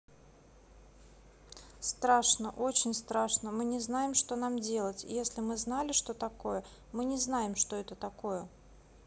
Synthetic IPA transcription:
st̪ɾaʂnəʔo̞t͡ɕɪnʲst̪ɾaʂnəmɨnʲɪznajɪmʂt̪o̞namdʲe̞lˠətʲjesʲlʲɪmɨznalʲɪʂt̪o̞t̪ɐko̞jə | mɨnʲɪznajɪmʂt̪o̞ɛt̪ət̪ɐko̞jə

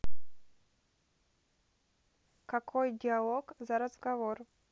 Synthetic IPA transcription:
kakʰojdʲɪalˠoɡzaɾɐzɡavor

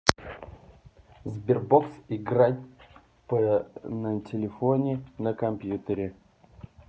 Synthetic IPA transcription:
zbʲɪrboksɪɡɾat̚ʲ | pənəmtʲɪlʲɪfonʲɪnəkɐmpʲjut̪əɾʲɪ

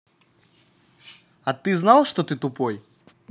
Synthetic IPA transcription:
ɐt̪ɨznalˠʂt̪ɔt̪ɨt̪ʊpɔj

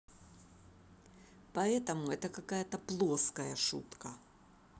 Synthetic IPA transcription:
pɐɛt̪əmʊɛt̪əkɐkajət̪əplˠoskəjəʂṵt̪kə

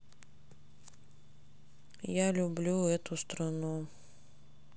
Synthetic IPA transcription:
jalʲʊblʲuɛt̪ʊst̪ɾɐnu

